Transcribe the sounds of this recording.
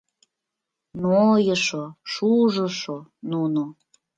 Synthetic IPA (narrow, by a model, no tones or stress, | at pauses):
nojəʃoʃuʒə̆ʃonuno